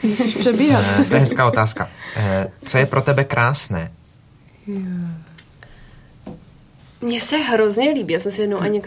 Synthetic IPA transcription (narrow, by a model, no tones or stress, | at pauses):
ɔʃpr̥ɛbiɦat̪ojɛɦɛskaːʔo̞t̪aːska | t͡sojɛpɾʔo̞t̪ɛbɛkɾʔaːsnɛː | mɲɛsɛɦɾo̞zɲɛliːbiːjaːsɛmsɛjɛdnowʔaɲɛk